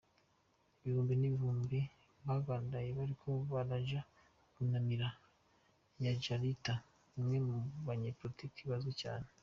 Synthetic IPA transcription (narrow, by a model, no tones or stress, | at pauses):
iβihuːmbiniβiɦuːmbi | βaβaːndajeβaɾikʰo̞βaɾaʒa | kunamiɾa | ɲad͡ʒaɾita | umŋe̞muβaɲeːpɾoitikiβazoca̰ːne